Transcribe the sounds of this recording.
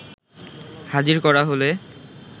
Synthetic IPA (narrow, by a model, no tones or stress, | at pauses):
had͡ʑiɾkɔɾaɦole